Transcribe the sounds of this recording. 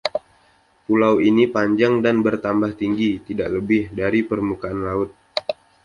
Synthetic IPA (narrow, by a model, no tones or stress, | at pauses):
pulawinipaɲd͡ʒaŋdanbərt̪ambaht̪iŋɡit̪idaʔləbɪhdaɾipərmukaanlaʊt̪̚